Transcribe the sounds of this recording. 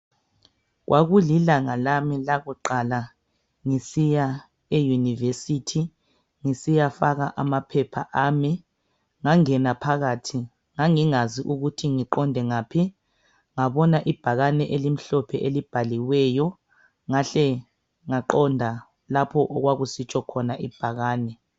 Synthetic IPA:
ɣwʔaɣulilaŋalamilaɣuǃala | ŋisija | ejunivesitʰi | ŋisijafaɣaʔamapʰɛpʰaʔami | ŋaŋɛnapʰaɣatʰi | ŋaŋiŋaziʔuɣutʰiŋiǃɔndʱɛŋaːpʰi | ŋaβɔnaʔib̥ʱaɣanɛʔelim̩ɬɔpʰɛʔelib̥ʱaliwɛːjɔ | ŋaɬɛ | ŋaǃɔndʱa | lapʰɔʔɔɣwaɣusit͡ʃʰʼɔkʰɔnaʔib̥ʱaɣaːnɛ

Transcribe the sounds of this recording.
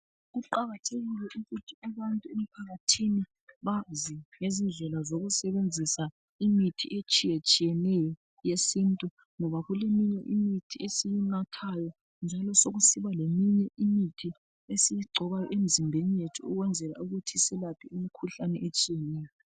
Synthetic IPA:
ɣuǃaɣatʰeɣilɛʔuɣutʰiaβantʼuemipʰaɣatʰini | βaziŋezind͡ɮɛlazoɣusɛβend͡zʱisa | imitʰḭʔet͡ʃʼijet͡ʃʼijɛnɛjɔ | jesintʼu | ŋɔβaɣulemiɲɛ̰ʔimitʰiesijinatʰajɔ | nd͡ʒʱalɔsoɣusiβalemiɲɛʔimitʰi | esijiɡ͡ǀʱɔβajɔʔem̩zimbʱenijetʰuuɣwɛnd͡zʱɛla̰uɣutʰisɛlapʰiumikʰuɬanɛ̰ʔet͡ʃʼijɛnɛːjɔɔ

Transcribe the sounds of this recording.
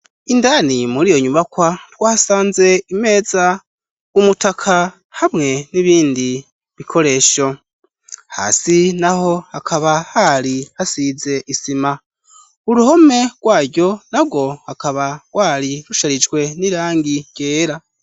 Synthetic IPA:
indanimuɾijo̞ɲuβakwatwaːsaːnze̞ime̞ːza | umutakʰa | hamŋe̞niβiːndi | βikʰo̞ɾe̞ːʃo̞ | ha̰sinaho̞hakʰaβahaɾihasize̞ʔisima | uɾuho̞me̞ɡwaːɟo̞nab̚ɡo̞hakaβaɡ̥waːɾiɾuʃaɾid͡ʒɡwe̞niɾaːŋɡiɟ̥eːɾa

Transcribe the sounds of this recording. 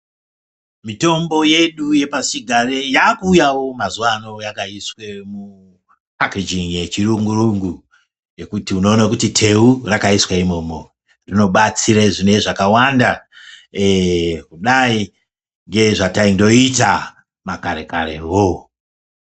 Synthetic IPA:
mito̞mbo̞je̞ɗuje̞pasiɡʱarejakuːjawo̞mazuwano̞jakaiswemu | akid͡ʒiŋje̞t͡ʃiruŋɡuruŋɡu | je̞kutiuno̞ːnakutitʰe̞urakaiswaimo̞ːmo | rino̞ɓat͡siɾaʐine̞ʐakawanda | kuɗai | ŋɡe̞ʐataindo̞ita | makaɾe̞̰kaɾḛwo

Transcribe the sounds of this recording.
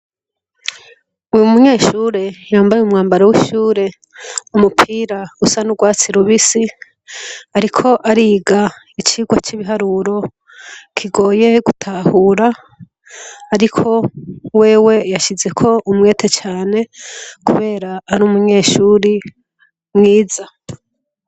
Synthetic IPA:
ujumuɲe̞ːʃuːɾe̞jaːmbajeumŋaːmbaɾowiʃuːɾe̞ | umupʰiːɾausanuɡwaːt͡siɾuβisi | aɾikʰo̞ʔaɾiɡa | it͡ʃiɡwat͡ʃiβiɦaɾuɾo̞ | kʰiɡo̞ːje̞ɡutʰahuɾa | ɾikʰo̞we̞ːwe̞jaʃize̞kʰo̞ʔumŋe̞ːtʰet͡ʃaːne̞kuβe̞ːɾaːɾumuɲe̞ːʃuɾi | mŋiːza

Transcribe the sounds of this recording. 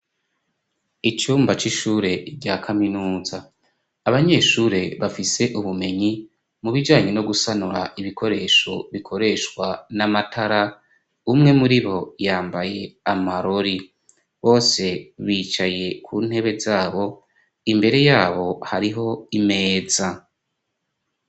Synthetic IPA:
it͡ʃuːmbat͡ʃiʃuːɾe̞ɟakʰaminuːzaː | βaɲe̞ʃuːɾe̞βafise̞ʔuβume̞ɲi | muβid͡ʒaːɲeno̞ɡusanuɾa̰ʔiβikʰo̞ɾe̞ʃo̞βikʰo̞ɾe̞ʃkwanamatʰaɾa | umŋe̞muɾiβo̞jaːmbaje̞amaɾo̞ɾi | βo̞ːse̞βiːt͡ʃaje̞kʰun̥he̞βe̞zaːβo̞ | imbe̞ɾe̞jaːβo̞haɾiɦo̞ime̞ːza

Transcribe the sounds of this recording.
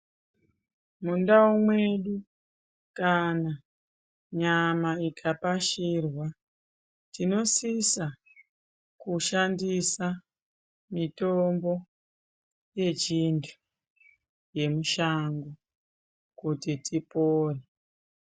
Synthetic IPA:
mundaumwe̞ɗu | kana | ɲamaikʰapaʃirwa | tino̞sisa | kuʃandisa | mito̞mbo̞ | je̞t͡ʃintʰu̥ | je̞muʃaŋɡu | kutitipoːre

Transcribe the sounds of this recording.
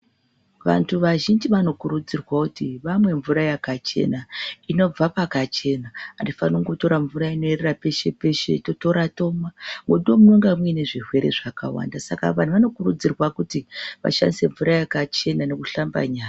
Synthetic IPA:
ʋa̰ntʰuʋaʒind͡ʒiʋano̞kuɾud͡zirwakutiʋamwe̞ɱvuɾajakat͡ʃe̞̰naino̞b͡vapakat͡ʃe̞naːndifanoŋɡo̞to̞ɾaɱvuɾaino̞ererape̞ʃe̞pe̞ʃe̞̰to̞to̞ɾato̞mamuɗomuuŋɡamwine̞ʐirwe̞ɾe̞̰ʐaka̰wa̰ndasaka̰ʋan̤uʋano̞kurud͡zirwakutiʋa̰ʃa̰ndise̞ɱvuɾajakat͡ʃe̞nane̞kuɬamba̰ɲaːa

